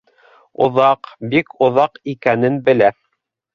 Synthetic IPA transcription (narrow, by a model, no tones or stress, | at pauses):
ŏ̰ðɑqbikŏðɑqikænɘnbɘ̆læ